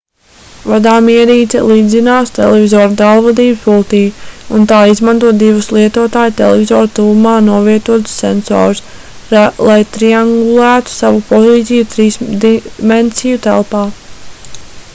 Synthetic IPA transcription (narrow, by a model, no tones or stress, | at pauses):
vad̪aːmiɛɾiːt̪ɛ̰lˠiːd̪zinaːst̪ḛlɛvizɔːɾd̪alˠvɔd̪iːbspulˠt̪iːunt̪aːizmant̪uɔt̪d̪ivuslˠiɛt̪uɔt̪aːjt̪ɛ̰lˠɛvʲizɔːɾt̪uːmaːnuɔviɛt̪uɔt̪sːḛnsɔ̰ːɾus | lˠajt̪ɾiaŋɡulˠæːt̪u̥savupɔziːt̪ʲijut̪ɾiːsd̪imensijut̪æ̰lˠpaː